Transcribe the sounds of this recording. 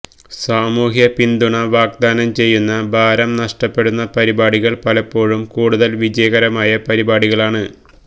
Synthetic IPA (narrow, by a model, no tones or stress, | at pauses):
saːmuːɦjɐpind̪uɳɐʋaːɡ̚d̪aːnɐmt͡ɕe̞jːunːɐbʱaːɾɐmnɐʂʈɐpːe̞ɽunːɐpɐɾibaːɽiɣɐɭpɐlɐpːo̞ːɻumkuːɽuðɐlʋid͡ʑɐjɐɣɐɾɐmaːjɐpɐɾibaːɽiɣɐɭaːɳɨ